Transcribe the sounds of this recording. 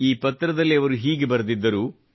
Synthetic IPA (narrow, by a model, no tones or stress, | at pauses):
iːpɐt̪ːɾɐd̪ɐlːiɐʋɐɾuɦiːɡe̞bɐɾɐd̪id̪ːɐɾuː